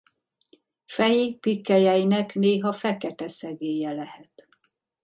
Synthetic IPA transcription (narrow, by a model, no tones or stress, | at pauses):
fɛjipikːɛjɛjinɛkneːɦɒfɛkɛt̪ɛsɛɡeːjɛlɛhɛt̪